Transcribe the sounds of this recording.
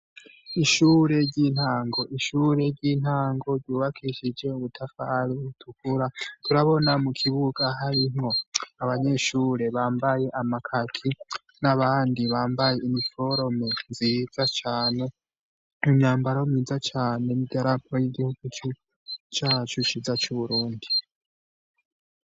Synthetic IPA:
iʃuːɾe̞ɟiːn̥haːŋɡo̞ʔiʃuɾe̞ɾɟiːn̥haːŋɡo̞ɾɟuːβakʰiʃid͡ʒe̞uβutʰafaɾiβutʰukuɾatuɾaβo̞namukʰiβuɡaɦaɾimŋo̞aβaɲe̞ʃuːɾe̞βaːmbaje̞ʔamakʰakʰi | naβaːndiβaːmbaje̞imifo̞ɾo̞menziːd͡zat͡ʃaːne̞ | mumɲaːmbaɾaomid͡zat͡ʃaːne̞nibɟaɾapʰojiɡihuɡ̥ut͡ʃo | t͡ʃaːt͡ʃut͡ʃiːzat͡ʃuβuɾuːndi

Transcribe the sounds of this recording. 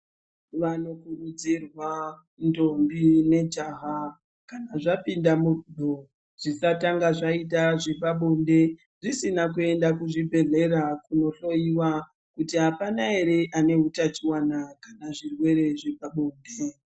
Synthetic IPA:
ʋano̞kurud͡zirwa | ndo̞mbine̞d͡ʒaɦa | kanaʐapindamuudʱo | ʐ̥isataŋɡaʐait̬aʐepaɓonde̞ | ʐisinakue̞ndakuʐibʱe̞ɮe̞ɾakuno̞ɬo̞jiwa | kutiɦapanaɦe̞ɾe̞ʔane̞ɦutat͡ʃiwanakanaʐirwe̞ɾe̞ʐepaɓoːnde

